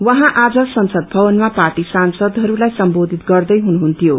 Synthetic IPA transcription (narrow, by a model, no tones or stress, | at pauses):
wʌɦãʔad͡zʌsʌnsʌd̪̚bʱʌbʌnmaparʈisansʌd̪ɦʌɾulajsʌmbod̪ʱit̪ɡʌrd̪ʌjɦunuɦunt̪ijo